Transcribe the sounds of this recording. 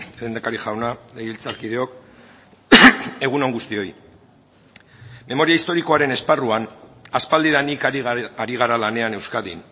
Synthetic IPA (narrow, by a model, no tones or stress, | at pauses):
lend̪akaɾiʝawnalejβilt͡saɾkið̞e̞o̞k | e̞ɣ̞unoŋɡust̪io̞j | me̞mo̞ɾiaist̪o̞ɾiko̞aɾe̞ne̞sparuanaspald̪iðanikaɾiɣ̞aɾalane̞ane̞wskaðin